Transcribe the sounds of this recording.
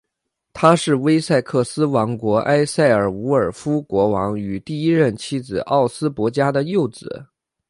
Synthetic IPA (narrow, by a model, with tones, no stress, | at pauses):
t̪ʰa˥ʂɻ̩˥˩we˥ɪsa˥˧ɪkʰɤ˥˩sɹ̩˥wɑ˧˥ŋkwɔ˧˥ʔa˥ɪsa˥˩ɪə˞˨˩u˧˥ə˞˨˩fu˥kwɔ˧˥wɑ˧˥ŋy˨˩t̪i˥˩i˥ɻə˥˩nt͡ɕʰi˥d͡zɹ̩˨˩ʔɑ˥˩ʊsɹ̩˥pwɔ˧˥t͡ɕja˥d̪ə˨jo˥˩ʊt͡sɹ̩˨˩˦